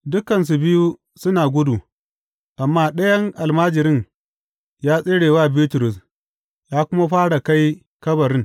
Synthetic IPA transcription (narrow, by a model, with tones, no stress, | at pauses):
dʊ˦kɐ˨ns̬u˨bɪ˦ju˦ | sʊ˦naː˨ɡʷʊ˦du˨ | ʔa˨mːaː˦ɗɐ˦jɐ˦ŋʔa˨lmaː˦d͡ʒɪ˨ɾɪ˦ŋ | jaː˦sʼɪ˦ɽeː˨waː˦bi˦tʊ˨ɾʊ˨s | jaː˦kʷʊ˦ma˦ɸaː˦ɽa˨ka˦j | kɐ˦bɐ˨ɾɪ˦ŋ